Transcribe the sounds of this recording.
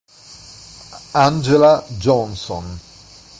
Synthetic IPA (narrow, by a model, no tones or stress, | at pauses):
and͡ʒelad͡ʒɔnsɔ̰n